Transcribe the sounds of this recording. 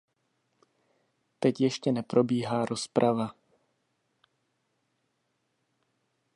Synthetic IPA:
t̪ɛcjɛʃcɛnɛpɾo̞biːɦaːɾo̞spɾʔava

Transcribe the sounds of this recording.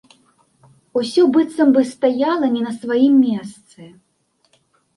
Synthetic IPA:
usʲɔbɨt̪sɐmbɨst̪ajalˠɐnʲinɐsvajimːʲɛst̪sɨ

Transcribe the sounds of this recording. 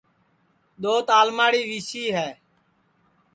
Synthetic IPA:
ɗ̪oːt̪aːlmaːɽiːʋiːsiːɦɛː

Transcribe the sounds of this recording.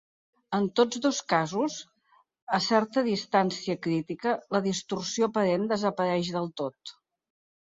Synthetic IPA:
ənt̪od͡zðoskazuz | əsɛɾt̪əðist̪ansiəkɾit̪ikələðist̪ursiopəɾend̪əzəpəɾɛʃðəlˠt̪ot̪

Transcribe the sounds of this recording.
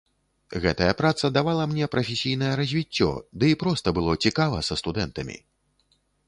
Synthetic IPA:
ɣɛt̪ɐjɐpɾat̪sɐd̪avalˠɐmnʲɛpɾɐfʲesʲijnɐjɛɾɐzʲvʲit͡sʲːɔ̰d̪ɨipɾɔst̪ɐbɨlˠɔt͡sʲikavɐsɐst̪ud̪ɛnt̪ɐmʲḭ

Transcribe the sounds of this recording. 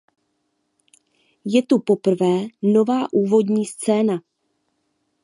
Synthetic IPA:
jɛt̪upo̞pr̩vɛːno̞vaːʔuːvo̞dɲiːst͡sɛːna

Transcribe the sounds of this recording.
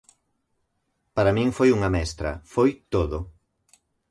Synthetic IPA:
paɾamĩŋfojuŋɐmɛst̪ɾɐ̰fojt̪oðo

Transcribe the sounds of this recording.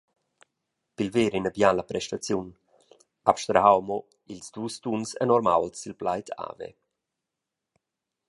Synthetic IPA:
pilveːɾinəbjalapɾɛʃtat͡sjun | apʃt̪ɾaɦawmɔ | ilsd̥̪uːstunsɛ̰nɔɾma̰wlsilplajtʰa̰ːvɛ̰

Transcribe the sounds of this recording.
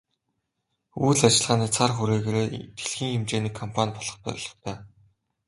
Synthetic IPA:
uːɮat͡ɕɪ̆ɮʁaːniːt͡sʰarχuɾeːɣeːɾeːt̪xeɮxiːŋxemt͡ɕeːniːkʰːɔmpʰanʲpɔɮɞ̆χpœ̰ɾʲɮɞ̥̆χt̪ʰæː

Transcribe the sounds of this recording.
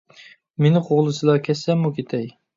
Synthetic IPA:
menɪqʰoʁlˠɨsɨlˠɑkʲʰɛsɛmːukʲʰet̪ʰɛj

